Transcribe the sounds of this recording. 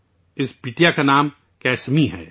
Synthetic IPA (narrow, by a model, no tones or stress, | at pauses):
ɪspiːʈijakanaːm | kɛːsmiɦɛ̰ː